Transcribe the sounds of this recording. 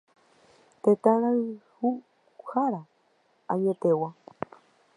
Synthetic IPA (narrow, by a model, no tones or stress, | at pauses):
t̪ẽt̪ãɾ̃ãihu | haɾa | aɲet̪ewa